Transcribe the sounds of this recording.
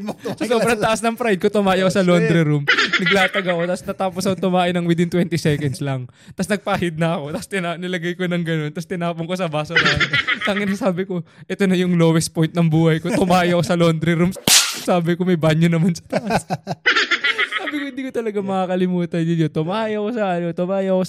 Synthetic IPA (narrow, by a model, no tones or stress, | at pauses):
sɐsobɾɐŋɐʔɐsnɐŋpɾajd̪̚kot̪ʊmaːʔjɐko̞sɐlo̞nd̪ɾɛɾumnɐɡ̚laːt̪ɐɡɐko̞t̪ɐsnɐt̪aːposɐkot̪ʊmaːʔɪnɐŋwɪd̪ɪnt̪wɛnt̪ɪsɛkɛnd̪slɐŋ | t̪ɐsnɐɡ̚paːhɪd̪̚nɐɐko̞t̪ɐst̪ɪnanɪlɐɡajkonɐŋɡɐno̞nt̪ɐst̪ɪnaːpoŋko̞sɐbaːsonɐmant̪ɐŋɪnɐsaːbɪko̞ʔɛt̪o̞nɐjʊŋloːwɛspo̞jnt̪̚nɐŋbuːhɐjkot̪ʊmaːʔɪɐko̞sɐlond̪ɾɛɾumsaːbɪkomɐjbaɲjʊnɐmansɐ̥t̪ɐʔɐs | saːbɪkohɪnd̪iːkot̪ɐlɐɡamɐakɐlɪmuːt̪ɐndɪot̪ʊmaːʔɪɐkosɐʔɐlot̪ʊmaːjɐko̞